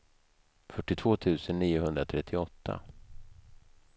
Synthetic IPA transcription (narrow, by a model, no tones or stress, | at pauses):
fœʈːɪt̪ʰv̥oːt̪ʰʉ̟ːsənːiːʊɦɵnd̪ɾat̪ʰɾɛt̪ʰːɪɔt̪ʰːa̰